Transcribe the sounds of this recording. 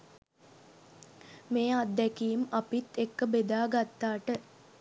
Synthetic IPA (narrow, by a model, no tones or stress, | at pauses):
meːad̪ːɛkijmapit̪ekːəbed̪aːɡat̪ːaːʈə